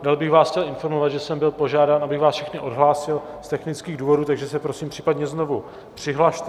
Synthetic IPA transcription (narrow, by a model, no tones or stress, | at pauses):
dalbɪxvaːscɛlɪnfo̞ɾmo̞vat̪ʒɛsɛmbɪlpo̞ʒaːdaːnʔabɪɣvaːsfʃɛxnɪʔo̞dɦlaːsɪl | st̪ɛxnɪt͡skiːɣduːvo̞duːt̪aɡʒɛsɛpɾo̞siːmpr̥iːpadɲɛzno̞vu | pr̝̥ɪɦlaʃt̪